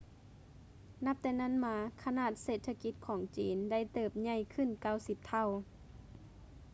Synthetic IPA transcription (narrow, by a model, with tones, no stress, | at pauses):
na˧˥p̚t̪ɛː˧na˥˨nmaː˧˦kʰa˧naː˧˩t̪̚seː˨˩t̪ʰːa˧ki˧˥t̪̚kʰɔː˩˦ŋt͡ɕḭː˨˦nda˥˩jt̪ɤː˧˩p̚ɲa˧˩jkʰɯ˧˥˨nka˥˩˨wsi˧˦p̚t̪ʰa˧˥˩w